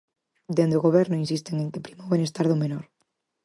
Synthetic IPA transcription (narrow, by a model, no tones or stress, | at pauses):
d̪end̪oɣoβɛɾnʊinsist̪eŋeŋkɪpɾimaoβenest̪aɾðomenɔɾ